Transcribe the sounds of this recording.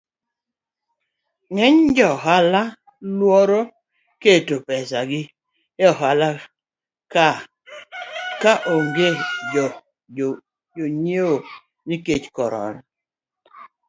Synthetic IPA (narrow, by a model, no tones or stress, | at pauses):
ŋɛɲd͡ʒɔɦala | lwɔɾo | ketopɛsaɡɪ | jɔɦala | ka | kaʔoŋɡe | d͡ʒoɲeo | niket͡ʃkɔɾɔ̰n